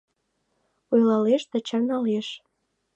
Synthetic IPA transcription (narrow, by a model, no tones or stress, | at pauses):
ujlɑleʃt̪ĕt͡ɕɑrnɑleʃ